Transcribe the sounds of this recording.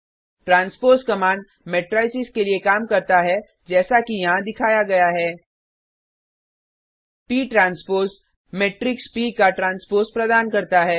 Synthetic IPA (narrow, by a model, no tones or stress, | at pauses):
ʈɾãːnspoːɾskɐmaːɳɖ | meːʈɾaːɪsɪskeliekaːmkɐɾt̪aɦɛ | d͡ʒɛːsakijɐɦãd̪ɪkʰaːjaɡɐjaɦɛː | piːʈɾãːnspoːɾs | meːʈɾɪkspiːkaʈɾãːnspoːɾspɾɐd̪aːnkɐɾt̪aɦɛː